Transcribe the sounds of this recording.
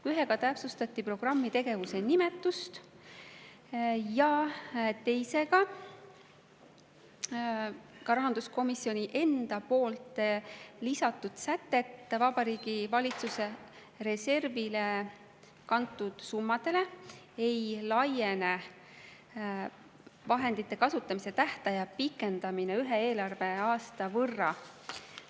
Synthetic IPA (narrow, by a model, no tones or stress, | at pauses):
yɦeɡ̥ɑt̪æpsust̪ɑt̪ːipro̞ɡ̥rɑmːit̪e̞ɡ̥e̞vuse̞nime̞t̪ːˑust̪ | jɑt̪e̞jse̞ɡ̥ɑ | kɑɾɑɦɑnd̪usko̞misːio̞nʲiʔe̞nd̪̥ɑpo̞ːlt̪ˑlisɑt̪ːˑud̪̥sæt̪ːe̞t̪ːˑvɑb̥ɑɾiːɡ̥ivɑlʲit̪suse̞ | ɾe̞se̞rvile̞ | kɑnt̪ːˑud̪̥sumːɑd̪̥e̞le̞ | e̞jlɑje̞ne | vɑɦe̞nd̪it̪ːe̞kɑsut̪ːˑɑmise̞t̪æht̪ɑjɑpikːˑe̞nd̪̥ɑmineyɦe̞e̞ːlɑrve̞ɑːst̪ɑvɤrːɑ